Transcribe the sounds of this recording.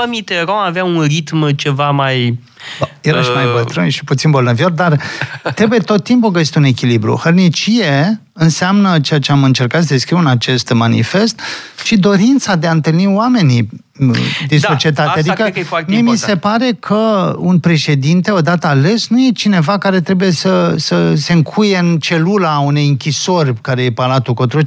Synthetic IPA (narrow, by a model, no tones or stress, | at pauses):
əmit̪eɾomaveaunrit̪mt͡ʃe̞vamaj | jeɾaʃmajbət̪ɾɨnʃi̥put̪sinbo̞lnəvio̞rd̪art̪ɾebuje̞t̪o̞t̪̚ːimpukəje̞st̪eune̞kʲilibɾṵhərnit͡ʃije̞ | ɨnseamnət͡ʃejat͡ʃeamɨnt͡ʃe̞rkat̪s̬əd̪eskɾiwɨnat͡ʃe̞st̪manḭfe̞st̪ʃid̪o̞ɾint̪sad̪eaɨnt̪ɨlnioame̞ni | d̪inso̞t͡ʃie̞t̪at̪ead̪kəmiemise̞paɾe̞kʰəunpɾe̞ʃe̞d̪int̪e̞od̪at̪əale̞snuje̞t͡ʃine̞vakaɾe̞t̪ɾebuje̞səsəse̞ɨŋkʰuje̞ɨnt͡ʃe̞lulaune̞jɨŋkʲiso̞rʲkaɾe̞je̞palat̪uko̞t̪ɾo